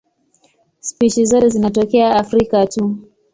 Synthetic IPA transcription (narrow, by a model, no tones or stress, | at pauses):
spit͡ʃizɔtɛzinat̬ɔkɛaafɾikatu